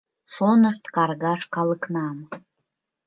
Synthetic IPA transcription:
ʃonəʃt̪kɑrɣɑʃkɑləknɑm

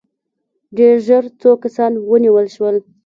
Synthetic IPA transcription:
ɖeɾʒəɾt͡sokasɑnwəniwəlʃwəl

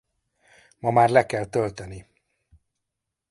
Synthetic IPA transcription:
mɒmaːrlɛkɛlt̪ølt̪ɛni

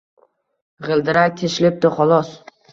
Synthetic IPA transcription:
ʁɨlˠd̪ɪɾak̚ʲt̪ʰeʃlɪp̚t̪ɪχɒlˠɒs

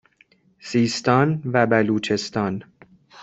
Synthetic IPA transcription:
siːst̪ɒːnvæbæluːt͡ʃʰe̞st̪ɒːn

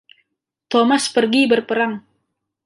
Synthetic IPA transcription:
t̪omaspərɡibərpəɾaŋ

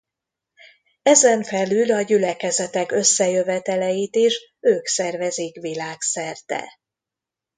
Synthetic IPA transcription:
ɛzɛɱfɛlylɒɟylɛkɛzɛt̪ɛkø̞sːɛjø̞vɛt̪ɛlɛjit̪iʃ | øːksɛrvɛzikʋilaːksɛrt̪ɛ̰

